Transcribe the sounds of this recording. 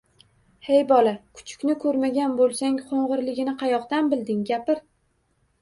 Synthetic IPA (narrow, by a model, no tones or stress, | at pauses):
hejbɒlˠakʰʊ̥t͡ʃʰʊ̥kʲnɪkʰɵɾmaɡʲanbolˠsaŋqʰoɴʁɨɾlɪɡʲɪnɪqʰɑjɒqt̪anbɪld̪ɪŋɡʲapɪɾ